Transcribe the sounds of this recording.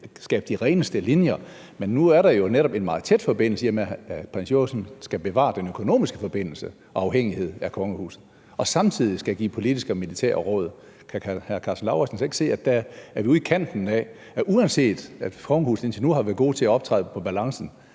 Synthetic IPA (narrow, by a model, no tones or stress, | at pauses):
sɡ̥ɛ̰ːb̥̚d̥iʁɛːnəsd̥əlinjɐ | menːuæɐɾɑ̈jo̝neɾɒ̽b̥e̝nmɑ̈ːð̞̩ˠt͡sʰed̥fɒ̽b̥e̝n̰l̩səiɐmepʰʁɛnsjosnsɡ̥æb̥e̝ʋɑ̰̈d̥enøkʰo̝no̝̰ːmisɡ̥əfɒ̽b̥e̝n̰l̩sə | ʔɒ̽ɑ̈ʊɦeŋ̰ihe̝ð̰ˠækʰɒ̽ŋəhṵːsð̩ˠ | ɒ̽sɑ̈mt͡sʰið̞̰ˠisɡ̥æɡ̥ḭːpʰo̝lid̥isɡ̥əɒmilit͡sʰæ̰ɐ̰ʁɔːð̞ˠ | kʰæhækʰɑ̈ːsn̩lɑ̈ʊæsn̩se̝ɡ̥se̝̰ːæ̥ææɐʋiuðˠikʰæn̰d̥n̩ɛ̰ | ʔuænse̝̰ːd̥æ̥kʰɒ̽ŋəhṵːsð̩ˠe̝nt͡sʰilnuhɑ̈ʋæɐð̩ˠɡo̝̰ːt͡sʰe̝æɒ̽b̥̚t͡sʰʁɑ̰ð̩ˠpʰɒ̽b̥ælɑ̈ŋsn̩